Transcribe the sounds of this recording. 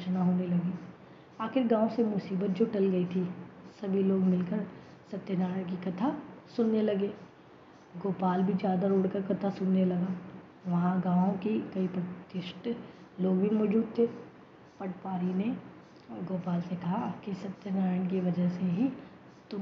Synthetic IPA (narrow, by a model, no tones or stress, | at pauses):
t͡ʃnaɦoːnelɐɡi | aːxɪɾɡãːõsemʊsiːbət̪̚d͡ʒoːʈɐlɡɐit̪ʰisɐbʱiloːɡmɪlkəɾ | sɐt̪ːjənaːɾəɽ̃k̬ikɐt̪ʰasʊnːelɐɡeː | ɡoːpaːlbʱid͡ʒjaːd̪aɾoːɽkɐɾkɐt̪ʰasʊnːelɐɡaː | ʋɐɦãɡãːõkikɐipɾɐt̪ɪʃʈloːɡbʱimɔːɾd͡ʒuːd̪̚t̪ʰe | pɐʈpaːɾine | ɡoːpaːlsekɐɦakisɐt̪ːjənaːɾəɽk̬iʋɐd͡ʒəɦseɦi | t̪ʊ